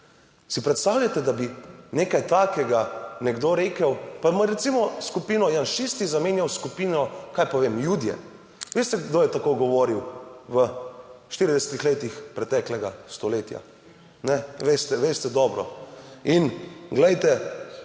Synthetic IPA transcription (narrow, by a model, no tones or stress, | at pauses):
sipɾɛt̪st̪aːwlʎʲat̪ɛd̪abineːkajt̪aːkɛɡanɛɡd̪oɾeːkəwpamɔɾɛt̪simɔskupinɔjanʃist̪izameːnjawskupiːnɔkaːjpɔʋeːmjud̪jɛ̰ | ʋest̪ɛɡd̪oːjɛt̪akojɡɔʋɔɾiwʋəʃt̪iɾid̪ɛsɛt̪ixleːt̪ixpɾɛt̪ɛklɛɡast̪ɔleːt̪ja̰ | nɛʋest̪ɛʋest̪ɛd̪ɔːbɾɔ̰inɡlɛjt̪ɛ